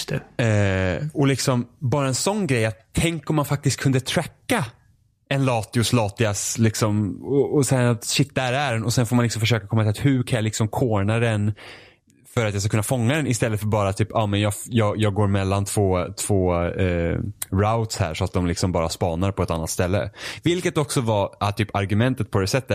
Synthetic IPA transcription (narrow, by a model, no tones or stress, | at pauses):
t̪ɛ | ɔlɪksɔmbɑːɾaɛnsɔnːɡɾɛjːat̪ʰːɛŋkɔmːanfak̚t̪ɪst̪̚kʰɵnd̪ət̪ʰɾɛkːa | ɛnlɑːt̪ɪʊslɑːt̪ɪaslɪksɔmɔɔsɛjaat̪ɕɪt̪̚ːd̪ɛhæɾæɖɛnɔsɛnfoɾmanlɪksɔmfəʂ̬øːkakʰɔmːat̪ɪlat̪hɵkʰanjalɪksɔmkʰoːɳad̪ɛn | fœɾat̪jɑːskakɵnːafɔŋːad̪ɛnɪst̪ɛlːəfœɾbɑːɾat̪ʰyːpɑmɛnjɑːfjɑːɡjɑːɡɡoːɾmɛlːant̪ʰv̥oːt̪ʰv̥oː | ɾaʊt̪shæ̰ːɾʂɔat̪̚d̪ɔmlɪksɔmbɑːɾaspɑːnaɾpʰɔɛt̪anːat̪st̪ɛlːə̰vɪlkət̪ɔksɔvaʔat̪ʰyːpaɾɡɵmɛnt̪ət̪̚pʰɔd̪ɛsɛt̪ːə